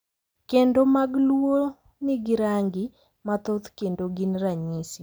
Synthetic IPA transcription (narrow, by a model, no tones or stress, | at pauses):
kendomaɡlwo | nɪɡɪɾaŋɡɪ | mat̪ot̪kendoɡɪnraɲisi